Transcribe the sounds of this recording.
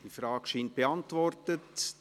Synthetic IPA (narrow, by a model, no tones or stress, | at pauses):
d̥ifɾɑːɡ̥ʃiːnt̚b̥eɑntvɔrtət